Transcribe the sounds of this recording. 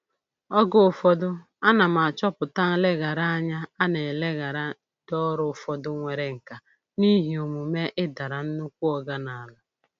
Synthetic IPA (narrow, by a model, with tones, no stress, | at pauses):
ɔ˦ɡʊ˦ʊ˨fɔ˦dʊ˦ | a˦na˨m˨a˨t͡ʃɔ˦pʊ˨ta˦ŋ̩˦le˦ɣa˨ɾa˦a˦ɲa˦a˦ne˨le˦ɣa˨ɾa˦ | dɔ˦ɾʊ˨fɔ˨dʊ˦ŋʷe˨ɾe˨ŋ̩˨ka˨ | ni˦ɦi˨o˨mu˨me˦ʔɪ˦da˨ɾa˨n̩˦nu˦kʷu˦ɔ˨ɡa˦na˨a˨la˦